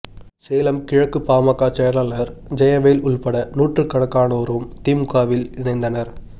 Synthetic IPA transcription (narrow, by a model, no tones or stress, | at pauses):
seːlɐmkɪɻɐkːɯpaːmɐkːaːt͡ʃɛjɐɾaːlɐɾd͡ʒɐjɐʋɐjlʊɭpɐɽɐnuːʈrɯkːɐɽɐkːaːnɐːɾɯmt̪iːmkaːʋɪlɪɳɐɪnd̪ɐnɐɾ